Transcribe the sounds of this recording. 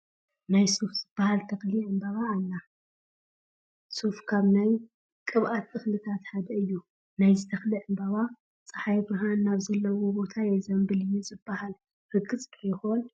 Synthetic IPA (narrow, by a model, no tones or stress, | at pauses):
najsofz̥ɨbahalt̪ʰɐxliʔɨmbaβaːlːa | sofkʰaβnaj | kʼɨβʔat̪ːɨxlɨt̪ʰat̪ħad̪ɐɨjːu | najzit̪ʰɐxliʕɨmbaβa | t͡sʼɨħajbɨɦanːaβzɐlːɐwo̞bo̞t̪ʰajɛzɐmbɨlɨjːɛzɨbːahal | ɾɨɡɨt͡sʼt̪ʰʼxon